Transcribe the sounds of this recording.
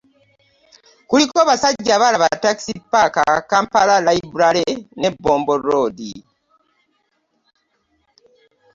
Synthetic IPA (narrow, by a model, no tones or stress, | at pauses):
kulikoβasaɟɟːaβalaβataki̥sipːakakaːmpalalaibuɾalene̞bːo̞ːmbo̞ɾo̞ːdḭ